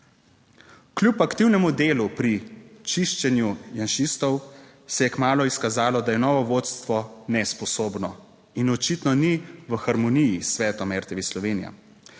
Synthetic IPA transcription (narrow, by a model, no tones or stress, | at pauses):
klʲupakt̪iwnɛmud̪eːlupɾit͡ʃiʃt͡ʃɛnjujanʃist̪ɔw | sɛjɛkmaːlɔiskazaːlɔd̪ajɛnɔːʋɔʋoːt̪st̪ʋɔnɛspɔsoːbnɔ | inɔt͡ʃit̪nɔniʋəxaɾmɔnijisʋɛːt̪ɔmɛɾt̪ɛʋislɔʋeːnija̰